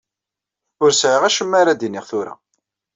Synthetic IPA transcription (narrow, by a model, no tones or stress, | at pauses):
ʊɾsʕəʁæʃəmːaɾad̪inːɪʁθʊɾa̰